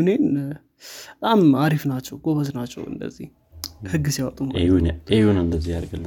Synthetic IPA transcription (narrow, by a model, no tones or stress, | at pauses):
nen | ət̪ʼamaɾifnat͡ʃːɛwɡ̥oβəznat͡ʃːɛ̰wɨ̰nd̪ə̰zːḭh | hɨɡːɨsiawɔt̪ʼunehunehunɨnd̪əzːihaɾɡəlːə